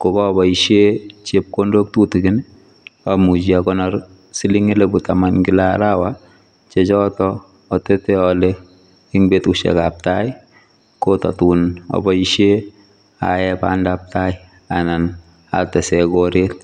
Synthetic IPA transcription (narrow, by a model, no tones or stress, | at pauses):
kɔkɔbɔiʃet͡ʃep̚kondok̚tutɪɡɪn | amud͡ʒiakɔnɔɾ | siliŋelebutamanɡɪlaɾawa | t͡ʃet͡ʃɔtɔː | tɛtɛɔle | ɪŋbetuʃɛ̰kap̚taj | kotɔ̰tunɔ̰bɔiʃe | a̰jɛpa̰ndap̚taj | anan | a̰tɛsɛɡoɾet̚